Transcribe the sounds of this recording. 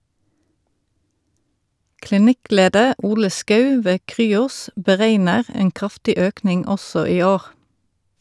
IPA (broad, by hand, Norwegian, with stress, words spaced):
klɪˈnɪˌkleːdəʁ ˈuːlə ˈskœʉ ˈʋeː ˈkʁyːɔs bəˈʁeɪnəʁ ˈeːŋ ˈkʁɑftɪ ˈøːknɪŋ ˈɔsɔ ˈiː ˈoːʁ